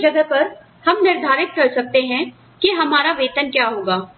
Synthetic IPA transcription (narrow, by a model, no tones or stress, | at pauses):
d͡ʒɐɡ̪əpɐɾ | hɐmnɪɾd̪ʱaːɾɪt̪̚kɐɾsɐk̚t̪eɦɛ̃ | keɦɐmaːɾaʋeːt̪ənkjaːɦoːɡaː